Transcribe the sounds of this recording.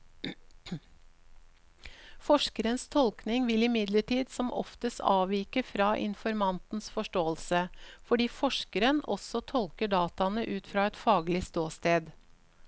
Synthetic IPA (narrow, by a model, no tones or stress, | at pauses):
fɔʂkəɾənst̪ʰɔlknɪŋʋɪlɪmɪd̪ləʈʰiːd̪sɔmʔɔ̰ft̪əst̪ɑ̰ːʋiːkəfɾɑːʔɪ̰nfɔɾmɑnt̪n̩sfɔʂʈoːəlsəfɔɖiːfɔʂkəɾənɔ̰sɔt̪ʰɔlkəɖɑːt̪ɑnəʔʉːt̪fɾɑːɛt̪fɑːɡlɪst̪oːst̪eːd̪